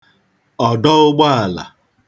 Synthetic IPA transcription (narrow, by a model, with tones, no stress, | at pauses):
ɔ˨dɔ˦ʊ˦ɡ͡ba˦a˨la̰˨